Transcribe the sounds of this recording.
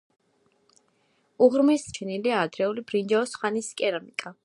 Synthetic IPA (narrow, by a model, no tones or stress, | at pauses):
uʁɾmɛst͡ʃʰɛniliaːd̪ɾɛulibɾind͡ʒɛɔsχaniskʼɛɾamikʼa